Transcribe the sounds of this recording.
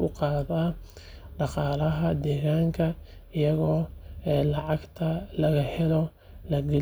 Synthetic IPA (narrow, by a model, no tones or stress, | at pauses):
ʊqɑːðɐ | ɖɑqɑːlɐɦɐd̪ɛːɣaːŋkʰɐ | ɪjɐɣɔːɛːlɑʕɑɡt̪ʰɐlɐɣɐhɛlɔ | lɐɡɛ